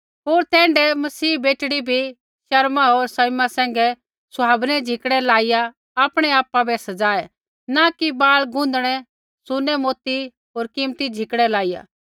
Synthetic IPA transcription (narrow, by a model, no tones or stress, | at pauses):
ɦoːɾt̪ɛ̃ːɳɖɛmɐsiːbeːʈɽibʱi | ʃɐɾmaɦoːɾsɐjmasɛ̃ːŋ̆ɡɛ | sʊaːbnɛd͡ʒʱɪkɽɛlaːɪja | aːpɽ̃ɛaːpabɛsɐd͡zaːɛ | nakibaːlɡʊ̃nd̪ɽ̃ɛ | sʊnːɛmoːt̪i | ɦoːɾkɪmt̪id͡ʒʱɪkɽ̃ɛlaːɪja̰ː